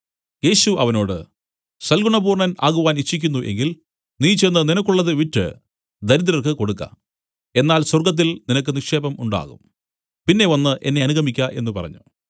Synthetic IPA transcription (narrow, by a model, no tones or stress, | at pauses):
je̞ːɕuʔɐʋɐno̞ːɽɨ̰ | sɐlɡuɳɐbuːrɳɐnaːɣuʋaːnit͡ɕːikʲːunːuʔe̞ŋɡil | niːt͡ɕenːɐninɐkːuɭːɐðɨʋitːɨ̰ | d̪ɐɾið̬ɐlɐrkɨko̞ɽukːɐ̰ | e̞nːaːlswɐrɡɐt̪̬ːilninɐk̬ːɨnikʂe̞ːbɐmuɳɖa̰ːɣṵm | pinːe̞ʋɐnːɨʔe̞̰nːe̞ɐnuɣɐmikʲːɐʔe̞̰nːupɐrɐ̰ɲːu